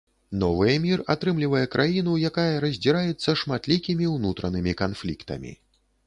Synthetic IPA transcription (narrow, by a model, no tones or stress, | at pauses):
nɔvɨjɐmʲirat̪ɾɨmlʲivɐjɛkɾʔajin̪ujakajɐɾɐzʲd͡zʲiɾajɛt̪sːɐʂmat̪lʲikʲimʲiwnut̪ɾɐnɨmʲikanflʲḭkt̪ɐ̰mʲḭ